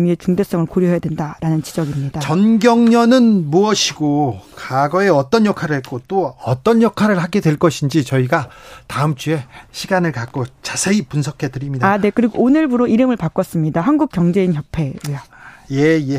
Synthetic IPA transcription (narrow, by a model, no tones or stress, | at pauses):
miet͡ɕuŋdes͈ʌŋɯɭkoɾjoɦejadwendaɾanɯnt͡ɕi̥d͡ʑʌɡimɲidat͡ɕʌnɡjʌŋɲʌnɯnmuʌɕʰiɡokaɡʌe̞ʌt͈ʌnjʌkʰaɾɯɭhek͈ot͈oʌt͈ʌnjʌkʰaɾɯɭhaɡe̞dweɭk͈ʌɕʰind͡ʑit͡ɕʌiɡataɯmt͡ɕ͈ue̞ɕʰiɡanɯɭkak͈ot͡ɕasʰe̞ipunsʰʌkʰe̞dɯɾimɲidaane̞kɯɾiɡoːnɯɭbuɾoiɾɯmɯɭpak͈ʌs͈ɯmɲidaɦanɡuk̚k͈jʌŋd͡ʑe̞inçjʌpʰe̞ejjeje